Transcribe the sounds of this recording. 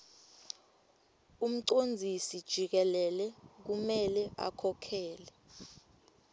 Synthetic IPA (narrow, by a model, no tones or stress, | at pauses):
um̩ǀond͡zʱisid̥ʒ̥ʱik̬ɛlɛlɛk̬umɛlɛʔa̰kʰɔkʰɛːlɛ